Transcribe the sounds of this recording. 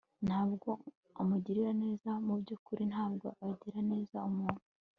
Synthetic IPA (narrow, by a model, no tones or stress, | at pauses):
n̥haːbɡo̞ | omuɟiɾiɾane̞ːzamubɟuːkuɾinhaːb̚ɡo̞̰ʔaɟiɾane̞ːzaumuːn̥u̥